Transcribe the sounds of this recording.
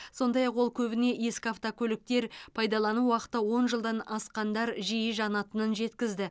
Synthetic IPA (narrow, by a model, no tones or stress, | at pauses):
so̞nd̪ɑjɑqwo̞lˠkʲʰɵbɪne̞je̞skʲɪaft̪okʲʰɵlɪk̚t̪e̞ɾpʰɑjd̪ɑlˠɑnuwɑqə̥t̪ːəwo̞nʒəlˠd̪ɑnɑsqɑnd̪ɑɾʒijɪʒɑnɑt̪ənənʒe̞t̪kʲɪzd̪ɪ